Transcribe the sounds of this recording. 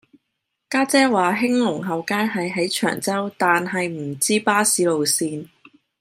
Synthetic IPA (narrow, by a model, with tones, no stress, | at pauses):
kaː˥t͡sɛː˥waː˨ɦɪ˥ŋlʊ˨˩ŋɦɐ˨wkaː˥jɦɐ˨jɦɐ˨˥jt͡ʃʰœ̰ː˨˩ŋt͡sɐ˥wt̪aː˨nɦɐ˨jm̩˨˩t͡siː˥paː˥siː˨˥lo˨wsiː˨˧n